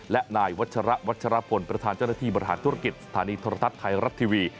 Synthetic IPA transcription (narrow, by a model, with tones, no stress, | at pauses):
lɛ˦ʔnaː˧jwa˦˥t̪̚t͡ɕʰa˧ɾa˦˥ʔwa˦˥t̪̚t͡ɕʰa˧ɾa˦˥pʰo˨˦npɾa˧t̪ʰaː˧nt͡ɕa˥˩na˥˩t̪ʰiː˥˩bɔ˧ɾi˧ɦa̰ː˩˦nt̪ʰu˥ɾa˧ki˨˩t̪̚sḁ˧t̪ʰaː˩˦niː˧t̪ʰoː˧ɾa˧t̪ʰt̪̚kʰːa˧jɾa˦˥t̪ʰːiː˧wiː˧